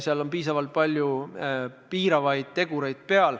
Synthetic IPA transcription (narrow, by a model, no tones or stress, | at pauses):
seɑlo̞mpiːsɑvɑlt̪̚pɑlʲju | piːɾɑvɑjd̪̥̚t̪e̞ɡ̥uɾejd̪̥̚pe̞ɑl